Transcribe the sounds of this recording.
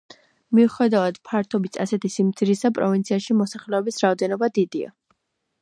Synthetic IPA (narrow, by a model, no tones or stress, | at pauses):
miuχɛd̪avad̪̥pʰaɾt̪ʰɔbit̪sʰasɛt̪ʰisimt̪sʰiɾisapʼɾɔvint̪sʰiaʃimɔsaχlɛɔbisɾaɔd̪ɛnɔbad̪id̪ia̰